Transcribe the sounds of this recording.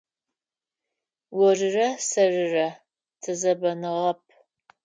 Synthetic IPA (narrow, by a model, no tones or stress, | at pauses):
wɔrɨrɐsɐrɨrɐ | tʰɨzɐbɐnɨʁɐp̚ʰ